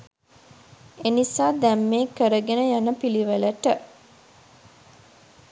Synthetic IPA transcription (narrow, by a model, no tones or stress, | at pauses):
enisaːd̪æmːeːkəɾəɡenəjanəpiliʋələʈə